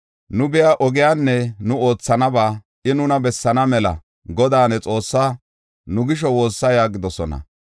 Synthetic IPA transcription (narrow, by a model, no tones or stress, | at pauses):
nʊbɪjaːʔɔɡɪjaːnːɛnʊo̞ːt͡sːɐnɐbaː | ʔɪnʊnɐbɛsːɐnɐmɛlɐ̰ | ɡɔd̪aːnɛt͡sʼo̞ːsːaː | nʊɡɪʃ̬ɔwo̞ːsːɐjaːɡɪd̪ɔsɔnɐ̰